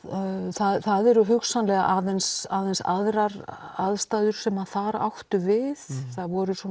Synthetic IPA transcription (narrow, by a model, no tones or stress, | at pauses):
θaðθaðɛɾʏɦʏksanlɛɣa̰ʔaðɛnsaðɛnsa̰ðɾaɾaðst̪aðʏɾ̥sɛmaðfaːɾa̰wht̪ʏvɪðθaðvɔɾʏsɔ